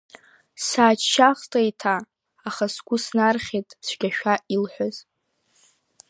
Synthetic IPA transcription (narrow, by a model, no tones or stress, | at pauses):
saːt͡ʃʃaχtʼajtʰaː | χasɡʷʼʊsnarχʲetʼsɡʲaʃᶣailħʷᶣaz̥